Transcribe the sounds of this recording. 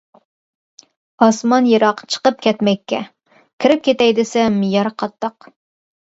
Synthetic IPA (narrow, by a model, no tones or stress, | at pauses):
ɑsmɑnjɨɾɑqt͡ʃʰə̥qəp̚kʲʰɛt̪mɛkʲːɛ | kʲʰɪɾɪp̚kʲʰet̪ɛjd̪ɪsɛmijɑɾqʰɑt̪ːɑq